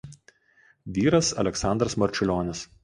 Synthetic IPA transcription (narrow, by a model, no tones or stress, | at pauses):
ʋʲiːɾɐsɐ̰lʲɛksɑˑnd̪ɾɐsmɐɾʲt͡ʃʲʊlʲoːnʲɪs